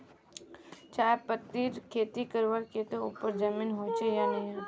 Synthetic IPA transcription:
t͡ʃaːepət̪ːiːɾkʰeːt̪ikəɾʋəɽket̪oṵːpəɾd͡ʒəmiːnɦoːt͡ʃejanɐɦã

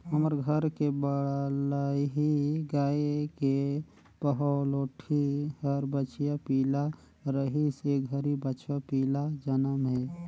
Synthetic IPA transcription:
ɦəməɾɡʱəɾkebəlaiɦiɡaːeke | pəɦəloːʈʰihəɾbət͡ʃijapiːla | ɾəɦiseɡʱəɾibət͡ʃʰapiːlad͡ʒənəmɦɛː

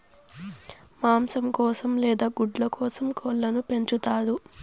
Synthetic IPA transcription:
maːmsɐmkɔːsɐmlɛːd̪aːɡuɖlɐkɔːsɐmkɔlːɐnupe̞ɲt͡ʃut̪aːd̪u

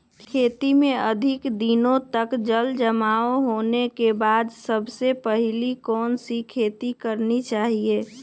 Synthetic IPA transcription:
kkʰeːt̪imẽəd̪ʱɪkd̪inõt̪əkd͡ʒəld͡ʒəmaːoɦoːnekebaːd̪səbsepəɦɪlikɔːnsikʰeːt̪ikəɾnit͡ʃaːɦie

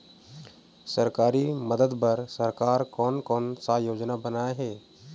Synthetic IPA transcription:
səɾkaːɾiməd̪əd̪pɐɾsəɾkaːɾkɔːnkɔːnsajoːd͡ʒnabənaːeɦɛː

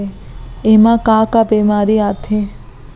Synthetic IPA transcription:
eemãkaːkabemaːɾiat̪ʰe

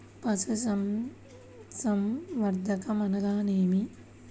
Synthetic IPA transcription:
pɐsusɐm | sɐmʋɐɾd̪ʱɐkɐmɐnɐɡaːneːmi

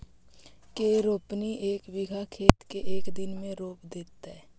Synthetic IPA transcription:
keːɾoːpniʔeːkwɪɡʱakʰeːt̪keʔeːkd̪ɪnmẽɾoːpd̪eːt̪aɛː

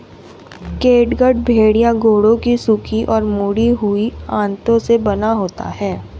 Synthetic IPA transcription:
keːʈɡəɖbʱeːɽijãɡoːɽõkisukʰiʔɔːɾmuːɽiɦʊiãːnt̪õsebɐnaɦoːt̪a̰ɦɛː

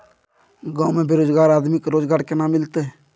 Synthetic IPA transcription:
ɡãːʊ̃mẽbeɾoːd͡ʒɡaːɾaːd̪mɪkɾoːd͡ʒɡaːɾkenãːmːɪlt̪eɦ

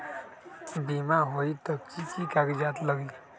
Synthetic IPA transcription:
bimaɦoit̪əkːikikaɡd͡ʒaːt̪ləɡi

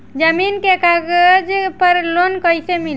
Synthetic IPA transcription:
d͡ʒəminkekaɡəd͡ʒpəɾlonkəjsemil

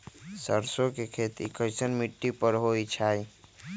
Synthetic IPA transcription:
səɾsõkekʰeːt̪ḭkəɪsənmiʈːipəɾɦoit͡ʃʰaːi

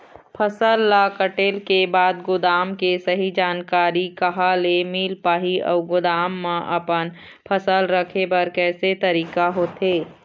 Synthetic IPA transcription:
pʰəsəlːakəʈeːlkebaːd̪ɡʊd̪aːmkesɐɦid͡ʒaːnkaːɾikɐɦalemiːlpaːɦiɔ̰ːɡʊd̪aːmːãʔɐpən | pʰəsəlɾəkʰebɐɾkɛːset̪ɐɾiːkaɦoːt̪eː

